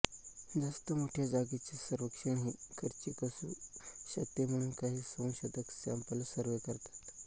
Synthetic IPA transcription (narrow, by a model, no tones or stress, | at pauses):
d͡zast̪əmoʈʰjad͡zaɡit͡ɕisəɾʋəkʂəɳɦiːkʰəɾt͡ɕikəsṵːɕət̪jem̤əɽ̃uːnkaɦiːsonɕəd̪əksa̰mpəlsəɾʋekəɾt̪ḁt̪